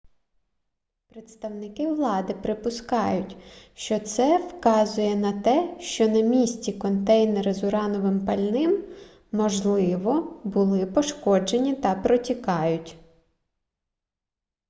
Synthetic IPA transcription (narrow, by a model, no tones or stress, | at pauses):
pɾet̪st̪ɐwnɪkɪʋlˠɑd̪ɪpɾɪpʊskɑjʊtʲʃt͡ʃɔt̪sɛwkɑzʊjɛnɐt̪ɛʃt͡ʃɔnɐmʲisʲtʲikɔnt̪ɛjneɾɐzʊɾɑnɔʋɪmpɐlʲnɪmː | ɔʒlˠɪʋɔbʊlˠɪpɔʃkɔd͡ʒenʲit̪ɐpɾɔtʲikɑjʊtʲ